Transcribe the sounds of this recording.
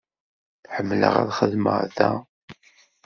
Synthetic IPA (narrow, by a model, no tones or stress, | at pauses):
ħəmːlə̰ʁæ̰ðχəðməʁðæ